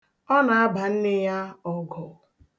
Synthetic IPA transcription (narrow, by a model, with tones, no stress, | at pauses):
ɔ˦na˨a˦ba˨n̩˦nɪ˦ja˦ɔ˨ɡɔ˨